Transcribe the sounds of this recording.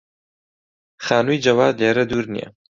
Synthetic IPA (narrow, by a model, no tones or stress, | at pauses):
χaːnuid͡ʒɐwaːd̪leːɾɐd̪uːɾnḭjɐ̰